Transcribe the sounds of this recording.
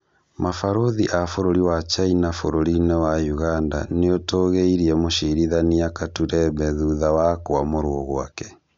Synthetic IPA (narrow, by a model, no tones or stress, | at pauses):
mafaɾoðiʔafoɾoɾiwat͡ʃainafoɾoɾinewajuɣanda̰neotoɣeiɾiɛmoʃiɾiðaniakatuɾɛβɛðuðawakoamoɾooɣoa̰kɛ̥